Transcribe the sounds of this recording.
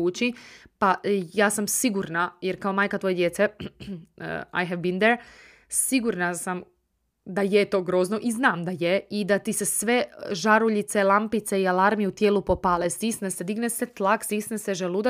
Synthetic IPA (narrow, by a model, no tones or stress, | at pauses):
uːt͡ʃipajaːsamsiɡuɾnajeɾkaomaːjkat̪ʋo̞je̞d̪jetsḛ | a̰jɦɛʋbind̪eɾ | siɡuɾnasam | d̪ajet̪o̞ːɡɾoznoʔiznaːmd̪ajeid̪at̪isesʋeʒaɾuʎit̪selˠampit̪seialaɾmijut̪jeːlˠupopalesd̪isnɛsed̪iɡneset̪lˠaksd̪isneseʒelud̪a